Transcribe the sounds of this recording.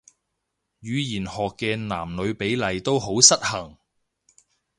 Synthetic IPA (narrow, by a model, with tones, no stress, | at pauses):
jyː˨˧jiː˨˩nhɔː˨kːɛː˧na̰ː˨˩mlɵ˨˧ɥpe˨˥jlɐ˨˧jt̪o˥wɦo˨˥wsɐ˥t̚hɐ˨˩ŋ